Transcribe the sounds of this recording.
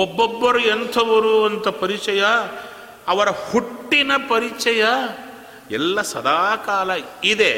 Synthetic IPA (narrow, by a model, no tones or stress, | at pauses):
obːɔbːɐɾuɛnt̪ʰɐʋɐɾuɐnt̪ʰɐpɐɾit͡ʃɐjɐː | ʋɐɾɐhuʈːinɐpɐɾit͡ʃɐjɐ | ɛ̰lːɐsɐ̰d̪aːkaːlɐid̪e